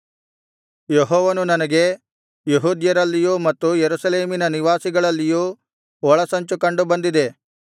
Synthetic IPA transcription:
jeɦɔːʋɐnunɐnɐɡe̞ | jeɦuːd̪jɐɾɐlːijuːmɐt̪ːujeɾusɐleːminɐniʋaːsiɡɐɭɐlːijuː | ɔɭɐsɐɲt͡ʃukɐɳɖubɐnd̪id̪e̞

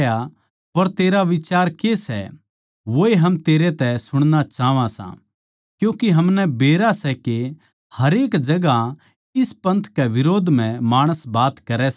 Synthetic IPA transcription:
ja | pɐɾt̪eːɾaʋɪt͡ʃaːɾkesɛ | ʋoːeɦɐmt̪eːɾet̪ɛsʊɽ̃ñat͡ʃaːʋãsã̰ | kjũːkeɦɐmnɛbeːɾasɛke | hɐɾeːkd͡ʒɐɡa | ɪspɐ̃nt̪ʰkɛʋɪɾoːd̪ʱm̤ɛ̃maːɽ̃əsbaːt̪kɐɾɛs

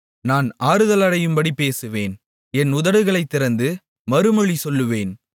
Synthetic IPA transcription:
naːnaːɾɯðɐlɐɽɐjɯmbɐɽipeːsɯʋeːn | ɛnʊðɐɽɯɣɐɭɐɪt̪ːɪɾɐnd̪ɯ | mɐɾɯmɐɭisɔlːɯʋeːn

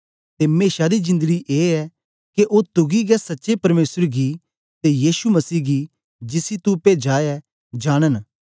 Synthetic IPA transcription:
t̪emeːʃad̪izɪ̃nd̪əɡiʔeːɛ | keʔoːt̪ʊɡiɡɛsɐtːʃepɐɾmeːsəɾɡi | t̪ejiːʃumɐsiːɡi | d͡ʒɪsit̪upeːd͡ʒaːɛ | d͡ʒaːɽ̃ən

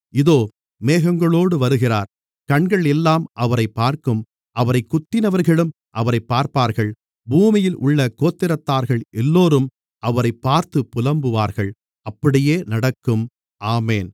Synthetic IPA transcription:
ɪðoː | meːɣɐŋɡɐɭoːɽɯʋɐɾɯɣɪraːɾ | kɐɳɡɐɭɛlːaːmʔɐʋɐɾɐɪpːaːɾkɯm | ʔɐʋɐɾɐɪkːʊt̪ːɪnɐʋɐɾɣɐɭɯm | ʔɐʋɐɾɐɪpːaːɾpaːɾɣɐɭ | buːmɪjɪlʔʊ̰ɭːɐkoːt̪ːɪɾɐt̪ːaːɾɣɐɭʔɛlːoːɾɯm | ʔɐʋɐɾɐɪpːaːɾt̪ɯpːʊlɐmbɯʋaːɾɣɐɭ | ɐpːɐɽɪjeːnɐɽɐkːɯm | ʔaːmeːn

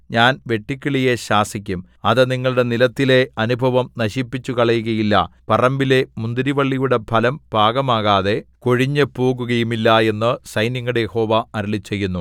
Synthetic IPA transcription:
ɲaːnʋe̞ʈːikʲːiɭije̞ɕaːsikʲːum | ɐðɨniŋːɐɭuɽe̞nilɐt̪ːile̞ɐnubʱɐʋɐmnɐɕipːit͡ɕːukɐɭɐjuɣɐjilːɐ̰pɐrɐmbile̞mund̪iɾiʋɐɭːijuɽe̞bʱɐlɐmb̥ʱaːɡɐmaːɣaːðe̞ko̞ɻiɲːɨpo̞ːɣuɣɐjumilːɐe̞nːɨsɐjnjɐŋːɐɽejeho̞ːʋɐɐɾilit͡ɕːe̞jːunːu

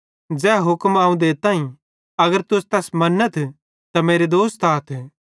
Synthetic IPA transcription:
d͡ʒɛːɦʊkmaːũd̪et̪ãːĩ | ɐɡəɾt̪ʊst̪ɛsmɐnːət̪ʰ | t̪ɐmeːɾed̪oːst̪aːt̪ʰː

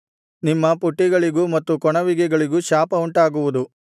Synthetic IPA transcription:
nimːɐpuʈːiɡɐɭiɡumɐt̪ːukɔɳɐʋiɡɛɡɐɭiɡuʃaːpɐuɳʈaːɡuʋud̪u

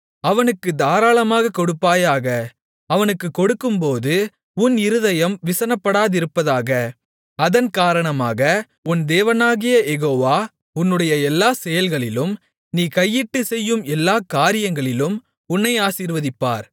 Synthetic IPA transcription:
ɐʋɐnɯkːɯd̪aːɾaːɭɐmaːɣɐkɔɽɯpːaːjaːɣɐ | ɐʋɐnɯkːɯkːɔɽɯkːɯmpoːðɯ | ʊnɪɾɯðɐjɐmʋɪsɐnɐpːɐɽaːðɪɾɯpːɐðaːɣɐ | ɐðɐnkaːɾɐɳɐmaːɣɐ | ʊnd̪eːʋɐnaːɣɪjɐɛɣoːʋaː | ʊnːɯɽɐjɐɛlːaːsɛjɐlɣɐɭɪlɯm | niːkɐjːɪʈːɯsɛjːɯmɛlːaːkaːɾɪjɐŋɡɐɭɪlɯm | ʊnːɐɪaːsiːɾʋɐðɪpːa̰ːɾ

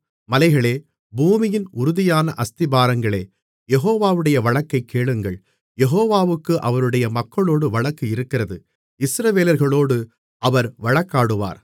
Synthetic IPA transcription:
mɐlɐɪɣɐɭeː | buːmɪjɪnʊɾʊðɪjaːnɐʔɐst̪ɪbaːɾɐŋɡɐɭeː | jɛɦoːʋaːʋɯɽɐjɐʋɐɭɐkːɐɪkːeːɭɯŋɡɐɭ | jɛɦoːʋaːʋɯkːɯʔɐʋɐɾɯɽɐjɐmɐkːɐɭoːɽɯʋɐɭɐkːɯɪɾɯkːɪɾɐðɯ | ɪsɾɐʋeːlɐɾɣɐɭoːɽɯ | ɐʋɐɾʋɐɭɐkːaːɽɯʋa̰ːɾ

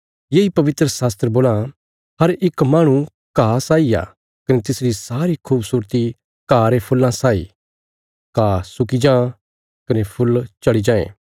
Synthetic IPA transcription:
jeːipɐʋɪt̪ɾəsaːst̪ɾəboːla | ɦɐɾɪkmaːɽ̃ũ | kaːsaːia̰ː | kɐnet̪ɪsɾisaːɾikʰuːbsuːɾt̪i | kaːɾepʰʊlːãsaːḭ | kaːsʊkid͡ʒãː | kɐnepʰʊlt͡ʃɐɽid͡ʒãːḛ̃ː

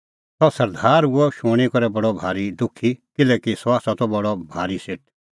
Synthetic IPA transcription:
t̪ɔsɐɾd̪ʱaːɾuɔʃʊɽ̃ikɔɾɛbɐɽɔbʱaːɾid̪ʊkʰːikɪlɛːkisɔaːsɔt̪ɔbɔɽɔbʱaːɾiseʈʰ

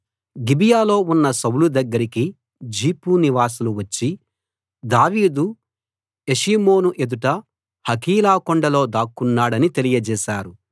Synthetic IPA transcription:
ɡibijaːlo̞ːunːɐsɐwlud̪ɐɡːɐɾiki | d͡ʒiːpuniʋaːs̬uluʋɐt͡ʃːi | d̪aːʋiːd̪u | eʃiːmo̞ːnuʔe̞d̪uʈɐ | hɐkiːlaːkɔɳɖɐlo̞ːd̪aːkːunːaːɽɐnit̪e̞lijɐd͡ʒɛːʃaːɾu

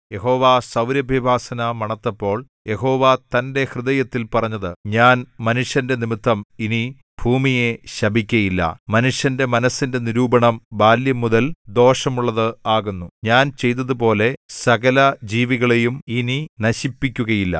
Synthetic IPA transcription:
je̞ɦo̞ːʋasɐwɾjɐbʱjɐbʱaːsɐnɐmɐɳɐt̪ːɐpːo̞ːɭ | je̞ɦo̞ːʋat̪ɐnde̞hrɨðɐjɐt̪ːilpɐrɐɲːɐðɨɲaːnmɐnuʂjɐnde̞nimit̪ʰːɐmini | bʱuːmije̞ɕɐbʱikʲːɐjilːɐ̰mɐnuʂjɐnde̞mɐnɐsːinde̞niɾuːbɐɳɐmbʱaːljɐmuðɐld̪o̞ːʂɐmuɭːɐðɨaːɣunːuɲaːnt͡ɕe̞jt̪̬ːɐðupo̞ːle̞sɐɣɐlɐd͡ʑiːʋiɣɐɭejumininɐɕipːikʲːuɣɐjilːɐ̰

